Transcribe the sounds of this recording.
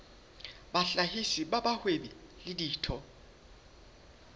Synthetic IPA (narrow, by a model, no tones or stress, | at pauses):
ɓaɬahisiɓaɓahweɓilɪdiːtʰɔ